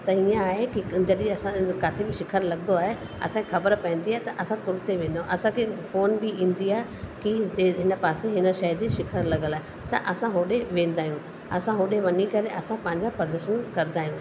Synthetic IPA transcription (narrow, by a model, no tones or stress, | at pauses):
t̪ɐiãaːɦekid͡ʑɐɗĩɐsãkaːt̪ʰebɪʃɪkʰəɾlɐɡnd̪oaːɦe | ɐ̰sãkexɐbəɾpɐɪ̃n̆d̪iaːɦet̪ɐʔɐsãt̪ʊɾt̪eʋẽːn̆d̪aːũʔɐsãkʰefoːnbiʔĩːnd̪iaːekieɦɪnə̆paːseɦɪnə̆ʃɐd͡ʑiːʃɪkʰəɾlɐɡəlaːɦe | t̪ɐ̰ʔɐsãɦoːɗeʋẽːn̆d̪aːijũ | ɐsãɦoːɗeʋɐnikɐɾeʔɐsãpɐ̃ɦɪ̃ɲd͡ʑãpɐɾd̪əɾʃənkɐɾɪd̪aːɦijũː